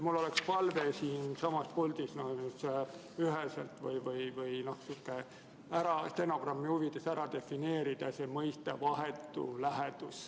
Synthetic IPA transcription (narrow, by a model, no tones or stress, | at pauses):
mulːo̞lekspɑlve̞siːnsɑmɑspolʲd̪isnonus | yɦesḛlt̪vɯ̰jvɯjvɯjno̞hsukːˑe | æɾɑst̪eno̞ɡ̥rɑmːihuvit̪ːˑesæɾɑd̪e̞fine̞ːɾid̪̥ɑse̞mɤjst̪evɑɦe̞t̪ːˑṵlæɦet̪us